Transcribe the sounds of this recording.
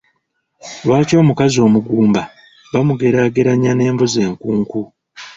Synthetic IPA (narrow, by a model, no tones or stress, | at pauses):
lwaːco̞ːmukazio̞ːmuɡuːmba | βamuɡe̞ɾaɡeɾaɲane̞ːmboze̞ːŋkuːŋku